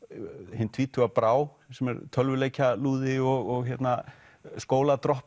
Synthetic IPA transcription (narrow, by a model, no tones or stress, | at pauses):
hɪnt̪ʰviːt̪ʰʏapɾaːw | sɛmɛɾt̪ʰœlvʏleːjcaluːðɪɔɣɔɣçjɛt̪na | skoːwlat̪ɾɔhp